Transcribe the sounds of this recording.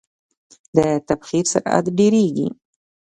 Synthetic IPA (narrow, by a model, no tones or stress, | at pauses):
d̪ət̪abxiɾsa̰ɾa̰d̪ɖeɾeɡḭ